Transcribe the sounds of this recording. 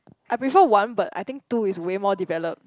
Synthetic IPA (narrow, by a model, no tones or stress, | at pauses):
ʔajpɹifəwãnbata̰jt̪ɪ̃ŋk̚tuiswemɔdivɛləp̚